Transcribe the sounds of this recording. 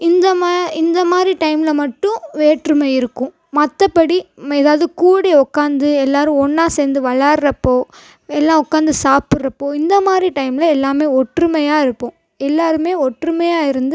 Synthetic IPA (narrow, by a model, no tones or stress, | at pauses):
ɪnd̪ɐmaɪnd̪ɐmaːd̪ɾiʈɐɪmlɐmɐʈːʊ̃ʋeːʈɾɯmɐɪɾɯkːʊ̃ | mɐt̪ːɐpːɐɽimɛðaːʋɐðɯkuːɽeɔkːaːnd̪ɯɛlːaːɾɯ̃ɔɳːaːseːnd̪ɯʋɐɭaːɾɾɐpːoː | ɛlːãːɔkːaːnd̪ɯsaːpɯɾɾɐpːoːɪnd̪ɐmaːd̪ɾiʈɐɪmɪlɐɛlːaːmeːɔʈrɯmɐjaːɪɾɯpːõː | ɛlːaːɾɯmeːɔʈrɯmɐjaːɪɾɯnd̪ɯ